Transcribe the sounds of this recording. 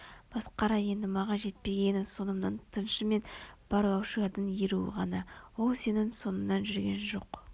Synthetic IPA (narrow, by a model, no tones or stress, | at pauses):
b̥ɑsqɑɾɑje̞nd̪ɪmɑʁɑnʒe̞t̪̚pe̞ɡʲe̞nɪso̞nəmnɑnt̪ʰənʃəme̞nb̥ɑɾlˠɑwʃəɑd̪ənjeɾuwɪ̰ʁɑnɑwo̞lˠse̞nɪŋso̞nəmnɑnʒʏɾɡʲe̞nʒo̞̰q